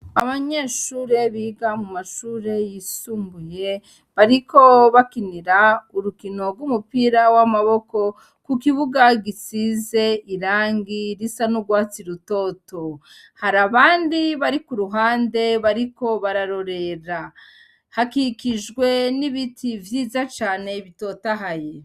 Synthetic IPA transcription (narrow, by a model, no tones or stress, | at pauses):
aβaɲe̞ʃuːɾe̞βiːɡamumaʃuːɾe̞jisuːmbuje̞ | βaɾiko̞βakiniɾauɾukino̞ɡɡwumupiɾawamaβo̞ko̞ | kukiβuɡaɡisize̞ʔiɾaːŋɡiɾisanuɡwaːt͡siɾuto̞to̞ | haɾaβaːndiβaɾikuɾuɦaːnde̞βaɾiko̞βaɾaɾo̞ɾe̞ɾa | hakikiʒɡwe̞niβitʰivjiːzat͡ʃaːne̞βito̞taɦaje